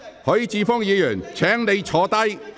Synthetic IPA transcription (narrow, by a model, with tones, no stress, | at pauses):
hɔː˨˥jiː˧t͡siː˨˧fɔː˥ŋjiː˨˧jœː˨˩nt͡sʰɛː˨˥ŋne˨˧jt͡sʰɔː˨˧˥t̪ɐ˥j